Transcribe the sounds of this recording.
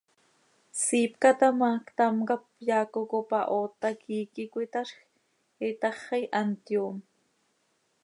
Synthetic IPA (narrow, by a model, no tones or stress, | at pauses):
siːpkɑt̪ɑmɑːkt̪ɑmkɑp̚jɑːkokopɑʔoːt̪ɑkiːkikʷit̪ɑʃx | it̪ɑχɑjʔɑnt̪joːm